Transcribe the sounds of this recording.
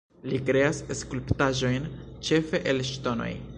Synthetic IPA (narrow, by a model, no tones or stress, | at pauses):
likɾe̞aseskulptaʒo̞jnt͡ʃe̞fe̞ʔelʃto̞no̞̰j